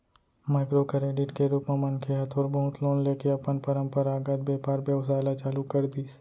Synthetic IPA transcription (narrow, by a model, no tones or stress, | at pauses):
maːɪkɾokɾeːɖɪʈkeɾuːpmẽmə̃nkʰeɦɐt̪ʰoːɾbəɦʊt̪ʰloːnleːkeɐpənpəɾə̃mpəɾaːɡad͡ʒ̪beːpaːɾbjəʋsaːɪlat͡ʃaːlukəɾd̪iːs